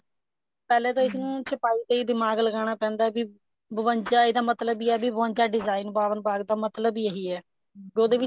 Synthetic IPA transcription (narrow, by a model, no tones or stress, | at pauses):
pɛːleːt̪õːɪt̪nũːsɪpaːiːt̪eːiːd̪ɪmaːɡləɡaːɽ̃aːpɛ̃ːnd̪aɛbiː | bəʋənt͡ʃaːiːd̪aːmət̪ləbiːɛːbiːbəʋəɲt͡ʃaːɖɪzaːinbaːʋənbaːɡd̪aːmət̪ləbiːeɦiːɛː | d͡ʒoːd̪eːʋɪ